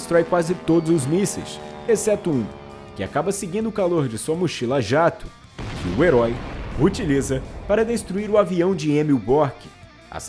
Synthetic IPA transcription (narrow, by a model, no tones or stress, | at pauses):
st̪ɾɔjkwazɪt̪od̪ʊzʊzmisḛjs | esɛt̪ʊũ | kɪa̰kabɐseɡĩnd̪ʊʊkaloɾd͡ʒɪsuɐmuʃilaʒat̪ʊ̥ | kʰɪ̰ʊeɾɔjut͡ʃilizɐpaɾɐd̪est̪ɾuiɾʊaviɐ̃w̃d͡ʒɪẽmiwbɔɾkɪ̥ | a̰s